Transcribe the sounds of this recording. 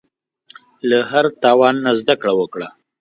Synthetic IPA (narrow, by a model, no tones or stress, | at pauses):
lahaɾt̪ɑwɑnːazd̪akɽawəkɽa